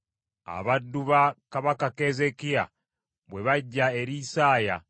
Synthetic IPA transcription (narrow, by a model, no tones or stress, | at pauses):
a̰βadːuβakaβakake̞ːzekia̰ | βwe̞βaɟːaeɾisaːja̰